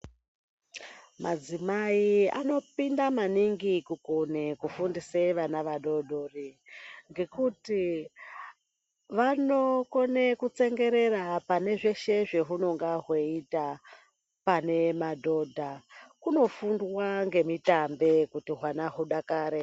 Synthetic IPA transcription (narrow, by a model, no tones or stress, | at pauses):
mʔad͡zimaia̰no̞pindamaniŋɡikukunekufundiseʋanaʋaɗo̞dʱoriŋɡe̞kuti | ʋano̞kone̞kut͡se̞ŋɡe̞ɾe̞rapane̞ʐe̞ʃe̞ʐe̞ɦuno̞ŋɡaɦweita | pane̞madʱo̞dʱakuno̞fundwaŋɡe̞mitambe̞kutiɦwanaɦuɗakaːɾe